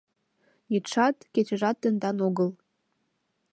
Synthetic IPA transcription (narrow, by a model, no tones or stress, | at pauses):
jit̪ʃɑt̪ket͡ɕəʒɑt̪ːə̆nd̪ɑnoɣəl